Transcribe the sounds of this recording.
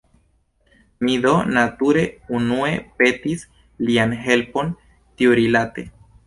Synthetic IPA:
mid̪o̞nat̪uɾe̞unue̞pe̞t̪is | lianɦe̞lpo̞n | t̪ioɾilat̪e

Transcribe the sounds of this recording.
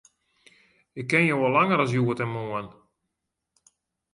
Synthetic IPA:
ɪkːɪnjowɔlaŋəɾɔs̬juətɛnmoən

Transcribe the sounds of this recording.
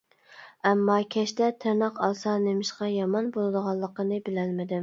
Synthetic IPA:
ɛmːɑkʲʰɛʃt̪ɛt̪ʰɪɾnɑqɑlˠsɑnemɪʃqɑjɑmɑnbolˠɨd̪əʁɑlˠːəqənɨbɪlælmɪd̪ɪm

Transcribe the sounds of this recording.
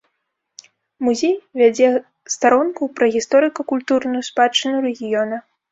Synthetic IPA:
muzʲejvʲad͡zʲɛ | st̪aɾɔnkupɾɐɣʲist̪ɔɾɨkɐkulʲt̪urnujuspat͡ʂːɨnʲuɾɛɣʲijɔnɐ

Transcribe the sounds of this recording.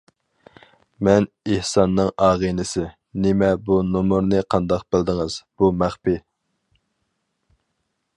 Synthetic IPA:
mɛn | ehsɑnːɨŋɑːʁinɪsɪ | nɪmɛbunomuɾnɨqʰɑnd̪ɑq̚b̥ɪld̪ɪŋɨz̥b̥umæχpi

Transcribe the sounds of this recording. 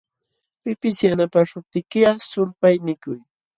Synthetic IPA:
pɪpɪsjanapaʃʊp̚t̪ɪkɪasʊlpajnɪkʊj

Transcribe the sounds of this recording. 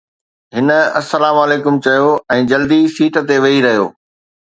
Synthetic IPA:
ɦɪnə̆ɐsːɐlaːmɐleːkʊmt͡ɕɐjoɛ̃ːd͡ʑɐld̪isiːʈə̆t̪eʋɐɦiɾɐɦijo̰ː

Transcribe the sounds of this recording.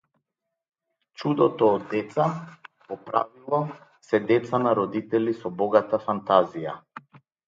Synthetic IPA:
t͡ʃud̪ɔt̪ɔːd̪ːɛt̪sapɔpɾa̰vilˠɔ | sɛd̪ɛt̪sanaɾɔd̪it̪ɛlisɔbɔɡat̪afant̪azija̰

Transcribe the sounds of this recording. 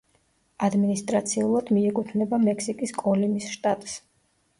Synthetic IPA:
ad̪minist̪ʼɾat̪sʰiulˠad̪̥miɛkʼut̪ʰnɛbamɛkʰsikʼiskʼɔlimisʃt̪ʼat̪ʼs

